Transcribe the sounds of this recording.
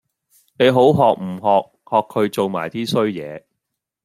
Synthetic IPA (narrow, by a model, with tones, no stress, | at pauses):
ne˨˧jɦo˨˥wɦɔː˨k̚m̩˨˩ɦɔː˨k̚hɔː˨kʰːɵ˨˧ɥt͡so˨wma̰ː˨˩jt̪iː˥sɵ˥ɥjɛ̰ː˨˧